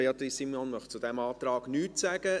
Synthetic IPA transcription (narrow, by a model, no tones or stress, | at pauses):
eɑt̪ɾisimɔnmœχt͡sud̥̪ɛmɑːt̪ɾɑːɡ̥nyːtsæɡ̥ə